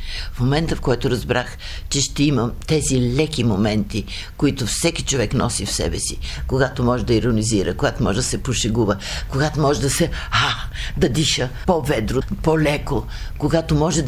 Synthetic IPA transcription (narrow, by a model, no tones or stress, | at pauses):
fmomɛnt̪əfkɔjt̪ʊɾɐzbɾʔaxt͡ʃɛʃt̪ɛimət̪ɛzilɛkimomɛnt̪i | koit̪ofsɛkʲit͡ʃovɛknɔsifsɛ̰bɛsḭkoɡat̪omɔʒɛd̪ɐiɾoniziɾəkoɡat̪omɔʒɛd̪ɐsɛpɾʊʃɛɡuvəkoɡat̪omɔʒɛd̪ɐsɛad̪ɐd̪iʃəpɔvɛd̪ɾopɔlʲɛko | koɡat̪omɔʒɛ